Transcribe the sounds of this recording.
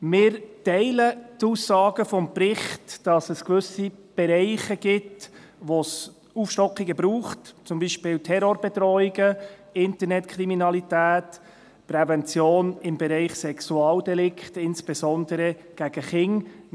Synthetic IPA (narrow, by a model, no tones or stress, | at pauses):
mɪːɾtɛɪlət̪uːsːɑːɡəfɔmpɾɪχtd̥ɑsəskʋɵsib̥ɛɾɛɪχəɡ̥ɪt | ʋos | uːfʃtɔkχiɡəbɾuːχtt͡sʊmbiːʃpɪːltʰɛɾoɾb̥ɛt̪ɾɔiɡə | ɪntəɾnɛtkʰɾiminɑlitæːt | pɾɛvɛnt͡sjoːnɪmbɛɾɛɪχsɛksuɑːldɛlɪkχtɪnsb̥esɔnd̪əɾə | ɡ̥æɡ̥əχɪŋ